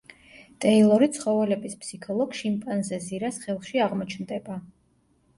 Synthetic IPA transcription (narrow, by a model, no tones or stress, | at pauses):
t̪ʼɛilˠɔɾit̪sʰχɔvɛlɛbispʰsikʰɔlˠɔɡʃimpʼanzɛziɾasχɛlˠχʃiaʁmɔt͡ʃʰnd̪ɛba